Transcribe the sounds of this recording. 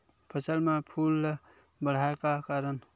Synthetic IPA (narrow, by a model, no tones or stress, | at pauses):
pʰəsəlmepʰul | bəɽ̤aekakaɾən